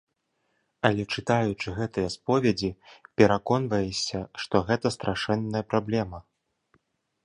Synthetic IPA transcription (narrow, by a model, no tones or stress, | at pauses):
ɐlʲɛt͡ʂɨt̪ajut͡ʂɨɣɛt̪ɨjɐspɔvʲɛd͡zʲipʲɛɾakɔnvɐjɛsʲɐʂt̪ɔɣɛt̪ɐst̪ɾʔaʂɛnːɐjɐpɾablʲɛmɐ